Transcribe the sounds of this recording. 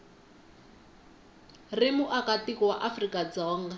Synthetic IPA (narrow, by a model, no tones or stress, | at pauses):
rɪmʊʔakatikɔwaʔafrikad͡zɔːŋɡa